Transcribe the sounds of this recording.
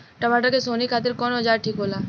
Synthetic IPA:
ʈəmaːʈakesoːnikʰaːt̪̬ɪɾkɔːnɦəd͡ʒaːɾʈʰiːkɦoːlaː

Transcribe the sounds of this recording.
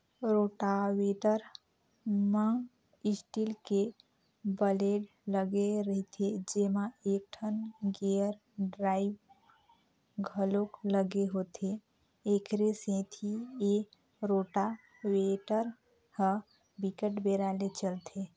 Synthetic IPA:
ɾoʈaweʈəɾ | mə | isʈilke | bəleɖ | ləɡeɾəɦit̪ʰed͡ʒemaek̚ʈʰənɡeəɾ | ɖɾaːib | ɡʱəlokləɡeɦot̪ʰe | ekɾesẽt̪ʰie | ɾoʈa | weʈəɾ | hə̃ | bikəʈbeɾalet͡ʃəlt̪ʰe

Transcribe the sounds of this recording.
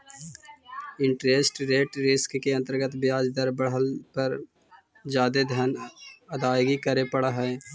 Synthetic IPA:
ɪ̃ɳʈɾeːsʈɾeːʈɾɪskkeɐ̃nt̪əɾɡət̪bjaːd͡ʒd̪əɾbəɽɦəlpəɾ | d͡ʒjaːd̪ed̪ʱənɐd̪aːjɡikəɾepɐɽaɦɛː

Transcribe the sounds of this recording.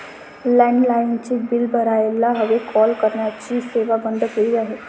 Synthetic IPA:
lɛ̃ːɳɖlaːɪnt͡ʃibɪlbəɾaːelaɦɐʋekʰɔːlkəɾnaətːʃʰiseːʋabə̃nd̪keijaɦɛː

